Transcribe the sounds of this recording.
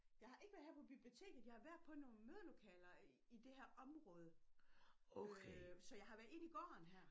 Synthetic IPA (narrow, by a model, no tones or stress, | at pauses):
jɑ̈ɪhɑ̈ʔe̝ɡ̥ʋæɐðˠhæɐpʰɒ̽b̥ib̥lio̝t͡sʰe̝̰ːɡ̥ð̩ˠjɑ̈hɑ̈ʋæɐ̰d̥̚ˠpʰɒ̽no̝ːnmøð̞ˠɐlo̝kʰɛ̰ːlɐ | id̥e̝hæɐ̰ʔɒ̽mʁɔ̽ːð̞ˠə | osɒ̽jɑ̈ɪhɑ̈ʋæːɐðˠe̝n̰iɡ̥ɒ̰ːnɦæɐ̰